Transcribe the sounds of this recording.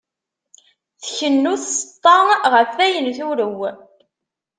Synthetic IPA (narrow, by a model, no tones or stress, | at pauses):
θçənːuθsət̪ˤːɑnʁəfæjənθuɾəw